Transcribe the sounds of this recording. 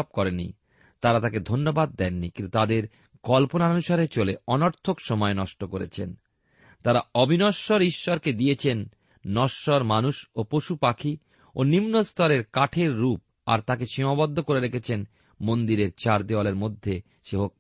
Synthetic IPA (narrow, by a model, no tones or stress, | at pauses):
b̚kɔɾenːḭ | t̪aɾat̪aked̪ʱonːobad̪ːɛnːikĩnt̪ut̪ad̪eɾ | ɡ̥ɔlponaonuʃaɾet͡ɕoleɔnɔɾt̪ʰokʃɔmɔenɔʃʈokoɾḛt͡ɕʰḛn | t̪aɾaɔbʱinɔʃɔɾiʃːɔɾked̪ijet͡ɕʰenː | ɔʃːɔɾmanuʃopoʃupakʰi | onimnost̪ʰɔɾeɾkaʈʰeɾːup̚ | a̰ɾt̪akeʃimabɔd̪ʱːokoɾeɾekʰet͡ɕʰen | mond̪iɾeɾt͡ɕaɾd̪ealeɾmod̪ʱːe | ʃeɦok̚